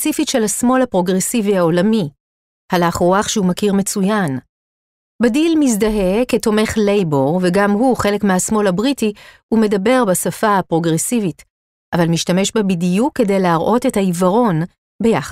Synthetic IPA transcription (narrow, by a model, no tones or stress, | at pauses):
t͡sifiʃe̞lhasmo̞lhapʁo̞ɡʁe̞siviaolami | halaːχʁoaχʃehumakiʁme̞t͡sujan | badilmis̬daɦe̞keto̞me̞χle̞jbo̞ʁve̞ɡamɦuχe̞lekmeɦasmo̞labʁitihume̞dabe̞ʁbasafaapʁo̞ɡʁesivit | ʔavalmiʃtame̞ʃbabidijukːe̞de̞jleaʁʔo̞te̞thaivɐʁo̞n | be̞jaχ